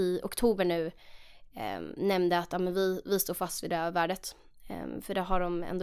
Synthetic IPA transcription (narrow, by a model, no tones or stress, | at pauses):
ɪʊ̰kt̪ʰuːbəɳʉ̟ː | nɛmnd̪əat̪ːɑːmɛnvɪvɪst̪oːɾfast̪vɪd̪ɛvæːɖət̪ | fœɖɛɦaɖɔmɛ̰nd̪